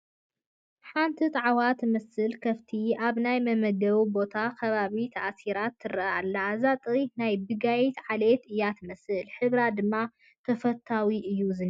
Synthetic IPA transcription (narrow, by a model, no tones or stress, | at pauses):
ħant̪ʰit̪ʼɐʕwat̪mɐsɨlkʰɐft̪ʰiaβnajmɐmɐɡɐβbo̞t̪ʰakʰɐβaβit̪ʰɐʔasiɾat̪ʰːɨɾɐa̰lːazat̪ʼinajbɨɡajt̪ʕalet̪ɨjːat̪mɐsɨlħɨβɾad̪ɨmːa | t̪ʰɐfɐt̪ʰːawiʔɨjːuzɨn